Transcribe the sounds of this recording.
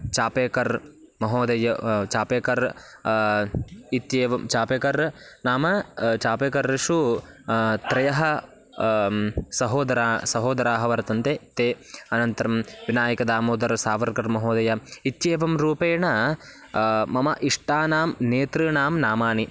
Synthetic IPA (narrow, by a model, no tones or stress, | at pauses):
t͡ʃaːpeːkɐɾ | mɐɦoːd̪ɐjɐt͡ʃaːpeːkɐɾ | it̪jeːʋɐmt͡ʃaːpeːkɐɾnaːmɐt͡ʃaːpeːkɐɾʃu | t̪ɾɐjɐɦɐ | sɐɦoːd̪ɐɾaːsɐɦoːd̪ɐɾaːɦɐʋɐɾɐt̪ɐnt̪eːt̪eːɐnɐnt̪ɐɾɐmʋinaːjɐkɐd̪aːmoːd̪ɐɾsaːʋɐɾkɐɾmɐɦoːd̪ɐjɐit̪jeːʋɐmɾuːpeːɳɐ | mɐmɐʔiʂʈaːnaːmneːt̪ɾɨnaːmnaːmaːni